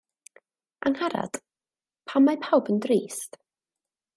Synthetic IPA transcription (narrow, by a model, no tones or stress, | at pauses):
ʔaŋhaɾa̰d̥ | pʰamːapʰawbəndriːst